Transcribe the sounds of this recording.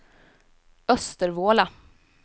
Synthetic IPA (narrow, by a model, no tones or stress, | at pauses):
œst̪əɾvoːla